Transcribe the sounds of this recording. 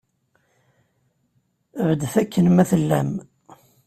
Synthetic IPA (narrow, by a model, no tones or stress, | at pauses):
əvəd̪θækʰːənmæθəlːæ̰m